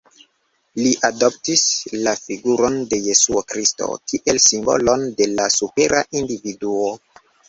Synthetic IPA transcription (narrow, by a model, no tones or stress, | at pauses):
liʔado̞p̚tislafiɡuɾo̞nde̞je̞suokɾisto̰kiʔe̞lsimbo̞̰lo̞nde̞lasupe̞ɾʔaʔindividuo